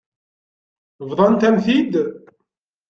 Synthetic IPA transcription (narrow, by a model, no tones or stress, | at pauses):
vðˤɑnt̪æmθid̪